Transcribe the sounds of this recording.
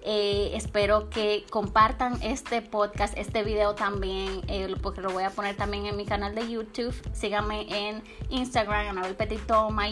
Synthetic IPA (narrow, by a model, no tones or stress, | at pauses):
eespe̞ɾo̞ke̞ko̞mpaɾt̪aŋe̞st̪e̞po̞ðkasest̪e̞βiðeot̪ambje̞nepoɾkelo̞βo̞japo̞ne̞ɾt̪ambje̞ŋenmikanald̪e̞jut̪uβsiɣame̞ʔen | inst̪aɣɾamanaβelpet̪it̪oma